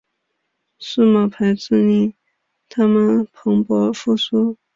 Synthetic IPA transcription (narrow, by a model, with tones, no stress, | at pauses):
ʂ̩˥˩ma˥˨˩pʰa˧˥ɪt͡sɹ̩˥˧ni˥˩ | t̪ʰa˥mə˨npʰɤ˧˥ŋpwɔ˧˥fu˥˩su˥